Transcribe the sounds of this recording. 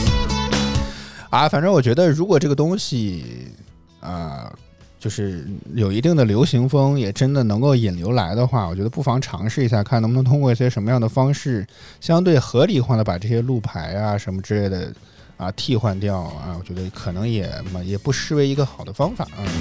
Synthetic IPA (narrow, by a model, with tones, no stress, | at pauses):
ɐ˧fa˨˩nʈ͡ʂɤ˥wɔ˨˩t͡ɕɥɛ˧˥d̪ə˧ɻu˧˥kwɔ˨˩ʈ͡ʂɤ˥˩ɡə˩t̪ʊ˥ŋɕi˨ | ə̰˧ | t͡ɕjo˥˧ʊʂɻ̩˥˩jo˨˩ʊi˧˥t̪i˥˩ŋd̪ə˩ljo˧˥ʊɕi˧˥ŋfɤ˥ŋjɛ˨˩ʈ͡ʂə˥nd̪ə˨nɤ˧˥ŋko˥˩ʊi˨˩nljo˧˥ʊla˧˥ɪd̪ə˧xwa˥˩wɔ˨˩t͡ɕɥd̪ə˧pu˥˩fɑ˧˥ŋʈ͡ʂʰɑ̰˧˥ŋʂɻ̩˥˩i˧˥ɕ̬ja˥˧˩kʰnə˧˥˧ŋt̪ʰʊ˥ŋkwɔ˥˧i˥˩ɕjɛ˥ʂə˧˥nmə˧jɑ˥˩d̪ə˩fɑ˥ŋʂɻ̩˥˩ | ɕjɑ˥ŋt̪̬we˥˩ɪxɤ˧˥li˨˩xwa˥˩d̪ə˩pa˨˩ʈ͡ʂɤ˥˩ɕjɛ˥lu˥˩pʰa˧˥ɪa˧ʂə˧˥nmə˧ʈ͡ʂɻ̩˥le˥˩ɪd̪ə̰˩ | ɐ̰˧t̪ʰi˥˧xwa˥˧nt̪jɑ˥˩ʊɐ̰˥˧wɔ˨˩t͡ɕɥɛ˧˥d̪ə˧kʰɤ˨˩nɤ˧˥ŋjɛ̰˨˩m˧˩jɛ˨˩pu˥˩ʂɻ̩˥we˧˥ɪi˧˥ɡə˧xɑ˨˩ʊd̪ə˦fɑ˥ŋfa̰˨˩˦ə˥˧˩